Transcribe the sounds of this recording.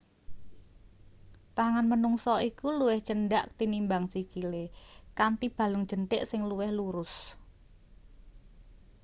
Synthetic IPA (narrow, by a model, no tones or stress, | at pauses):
t̪aŋanmənuŋsɔikuluwɪht͡ʃənɖaʔt̪inimbaŋsikilekant̪ib̥ä̤lʊŋ̥ʒ̥ənt̪ɪʔsɪŋluwɪhluɾʊs